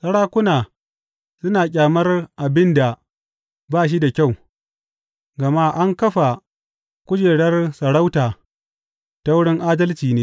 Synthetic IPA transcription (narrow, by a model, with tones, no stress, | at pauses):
sɐ˦ɽaː˦kʷʊ˦naː˨ | sʊ˦naː˨kʲʼaː˨mɐ˦rʔa˨bɪ˦nda˨ | baː˦˨ʃ̬i˦da˨kʲa˦˨w | ɡɐ˨ma˦ʔa˦ŋkɐ˦ɸa˨ | kʷʊ˦d͡ʒeː˨ɽɐ˦rsɐ˨ɽa˦wtaː˨ | ta˦wʊ˦ɽɪ˦ŋʔaː˦dɐ˦lt͡ʃiː˨neː˦